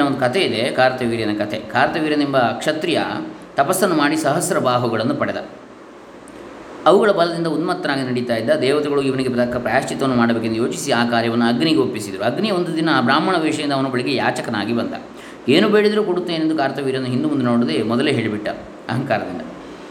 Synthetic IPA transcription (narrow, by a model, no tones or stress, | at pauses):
ɐond̪ukɐt̪ʰe̞id̪e̞kaːɾɐt̪ɐʋiːɾjɐnɐkɐt̪ʰḛkaːɾɐt̪ɐʋiːɾjɐnd̪imbɐkʂɐt̪ɾijɐ̰ | t̪ɐpɐsːɐnːumaːɽisɐɦɐsɐɾɐbaːɦuɡɐɭɐnːupɐɽɛd̪ɐ̰ | ɐʋuɡɐɭɐbɐlɐd̪ind̪ɐud̪mɐt̪ːɐnaːɡinɐɽit̪aːjid̪ːɐd̪ɛːʋɐt̪eɡɐɭuiʋɐniɡe̞pɾɐd̪ɐkːɐpɾaːaʃt͡ʃit̪ɐʋɐnːumaːɽɐbeːkend̪jo̞ːt͡ʃisiaːkaːɾjɐʋɐnːuɐɡniɡeopːisid̪ɐɾuɐɡnijɐond̪ud̪inɐbɾaːmɐɳɐʋɛːʂɐind̪ɐʋɐnubɐɭiɡe̞jaːt͡ʃɐkɐnaːɡibɐnt̪ɐ̰ | eːnube̞ːɽid̪ɐɾukoɽut̪ːeːnend̪ukaːɾɐt̪ɐʋiːɾjɐnːuɦind̪umund̪unoːɽud̪emɔd̪ɐleːɦe̞ːɭibiʈːɐ̰ | ɐ̰ɦɐŋkaːɾɐd̪ind̪ɐ̰